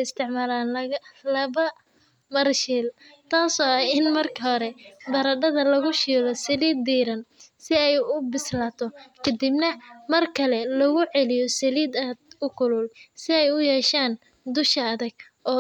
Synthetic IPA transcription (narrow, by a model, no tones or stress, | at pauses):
ɪst̪ʰɪʕmaːlaːnɐlɐβɐ | mɐɾʃiːlt̪ʰaːsɔːɐɪnmɐrkʰɐɦɔɾɛbɐɾɐɖɐðɐlɐɣʊʃiːlɔsɐliːd̪iːɾɐnsɪɛjʊbɪslaːt̪ʰɔkʰɐd̪ibnɐmɐrkʰɐlɛlɐɣʊʕɛlɪjɔsɐliːd̪ɐd̪̚ʊkʰʊlʊlsɪɛjʊjɛːʃaːn | d̪ʊʃɐɐðɐɡ | ʔɔː